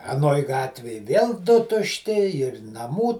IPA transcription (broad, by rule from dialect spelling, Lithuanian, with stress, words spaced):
ɐˈnoːj ˈɡɑːtʲʋʲeːj ʋʲeːlˠ ˈdʊ tʊʃʲˈtʲɪ ɪr nɐˈmuː